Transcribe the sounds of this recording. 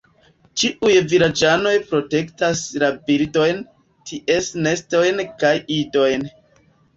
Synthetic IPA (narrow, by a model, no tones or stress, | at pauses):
t͡ʃiʔujviɾad͡ʒano̞jpɾo̞te̞ktaslabildo̞jn | tʰiʔe̞sne̞sto̞jnkajido̞jn